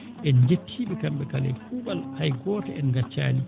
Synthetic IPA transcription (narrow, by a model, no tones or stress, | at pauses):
ʔɛnd͡ʒetʰːiːɓɛkamɓɛkalɛ̰jkuɓalhajɡɔːtaʔɛnɡat͡ʃːa̰ːni